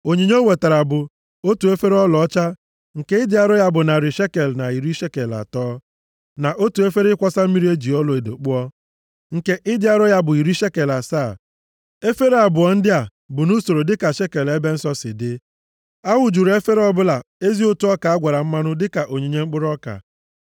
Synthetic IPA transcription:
o˨ɲe˨ɲ˦o˦we˨ta˨ɾa˨bʊ˨ | o˦tu˨e˦fe˦ɾɔ˦lɔ˨˦t͡ʃa˦ | ŋ̩˨ke˦ɪ˦dɪ˦a˦ɾʊ˦ja˦bʊ˨na˨ɾɪ˨ʃe˦ke˨lna˨i˨ɾi˦ʃe˦ke˨la̰˨tɔː˦ | na˨ʔo˦tu˨e˦fe˦ɾɪ˦kʷɔ˦sa˦m̩˦mi˦ɾi˦e˦d͡ʒi˨ɔ˦lɔ˨e˨do̰˨k͡pʊ˦ɔ˦ | ŋ̩˨ke˦ʔɪ˦dɪ˦a˦ɾʊ˦ja˦bʊ˨i˨ɾi˦ʃe˦ke˨la˨saː˦˨ | e˦fe˦ɾe˦a˨bʊ˨ɔ˨n̩˦dɪ˦a˨ | bʊ˨nu˦so˨ɾo˨dɪ˦ka˨ʃe˦ke˨le˦be˦n̩˦sɔ˦sɪ̰˨dɪ˦ | a˦wʊ˨d͡ʒu˨ɾe˦fe˦ɾɔ˦bʊ˦la˨e˦zi˦o˦tu˦ɔ˦ka˨a˦ɡʷa˨ɾa˨m̩˦ma˦nʊ˦dɪ˦ka˨ʔo˨ɲe˨ɲe˦ŋ͡m̩˦k͡pʊ˦ɾɔ˦ka̰˨

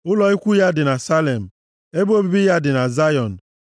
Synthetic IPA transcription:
ʊ˦lɔ˨i˦kʷu˦ja˦dɪ˨na˨sa˦le˨m̩˨ | e˦bo˦bi˦bi˦ja˦dɪ˨na˨za˦jɔ˨n̩˨

